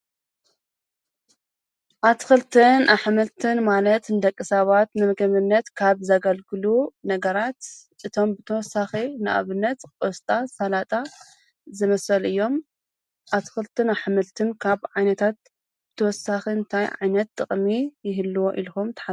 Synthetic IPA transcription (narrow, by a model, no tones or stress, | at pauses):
ʔat̪xɨlt̪ʰɨnʔaħmɨlt̪ʰɨnmalɐt̪nɨd̪ɐkʼːɨsɐβat̪nɨmɨɡɐmɨnːɐt̪kʰaβzaɡɐlɡɨlunɐɡɐɾat̪ | ʔɨt̪ʰo̞mbɨt̪ʰɐwɔsːaxinɨʔa̰βɨnːɐt̪kʼost̪ʼasalat̪ʼa | zɨmɐsɐlɨjːo̞m | ʔat̪xɨlt̪ʰɨnaħmɨlt̪ʰɨnkʰaβʕajnɐt̪ʰat̪̚ | b̥ɨt̪ʰɐwɔsːaxiɨnt̪ʰajʕa̰jnɐt̪ʼːɨχʼmijɪɦɨlːuwoʔilxumt̪ʰɐ̥ħa